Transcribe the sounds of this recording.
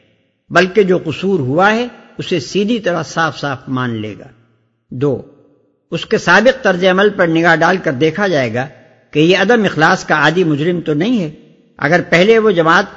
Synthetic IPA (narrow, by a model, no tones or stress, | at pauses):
bɐlked͡ʒoːqʊsuːɾɦuaɦɛʊsesiːd̪ʱit̪ɐɾəɦsaːfsaːfmãːnlḛːɡa̰ː | d̪oː | ʊskesaːbɪq̚t̪ɐɾzeɐməlpɐɾnɪɡaːɦɖaːlkɐɾd̪eːkʰad͡ʒaːeːɡaː | kejeɐd̪əmɪxlaːskaaːd̪imʊd͡ʒɾɪmt̪onɐɦĩɦɛ | ɐ̰ɡəɾpɛɦleʋod͡ʒɐmaːt̪